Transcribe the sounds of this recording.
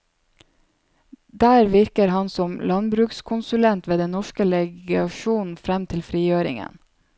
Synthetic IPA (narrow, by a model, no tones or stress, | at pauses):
d̪æːɾʋɪɾkəɾhɑnsɔmlɑnbɾʉːkskʰʊnsʉlɛnt̪ʋeːd̪ɛnnɔʃkəlɛɡɑʃuːn̩fɾɛmt̪ʰɪlfɾiːjøːɾɪ̰ŋə̰n